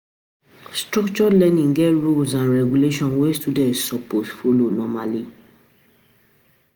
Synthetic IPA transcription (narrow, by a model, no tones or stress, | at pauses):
stɾɔkt͡ʃɔlɛ̃nĩŋɡɛɹolzãnɹɛɡuleʃɔ̃nwestudɛ̃tsɔposfolonɔmali